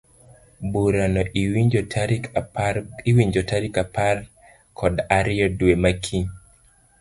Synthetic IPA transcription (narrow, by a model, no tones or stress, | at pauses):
buɾanɔʔ | k | iwiɲd͡ʒɔtaɾikapar | kʰɔdaɾɪɔdwemakʰi